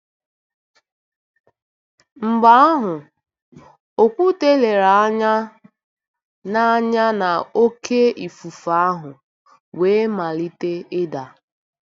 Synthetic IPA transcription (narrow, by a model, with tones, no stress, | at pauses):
m̩˨ɡ͡ba˦a˦ɦʊ˨ | o˨kʷu˦te˦le˨ɾa˨a˦ɲa˦ | na˦ɲa˦na˨o˦kʰe˦i˨fu˨fa˨˦a˦ɦʊ˨ | we˨˦ma˨li˦te˦ɪ˦da˨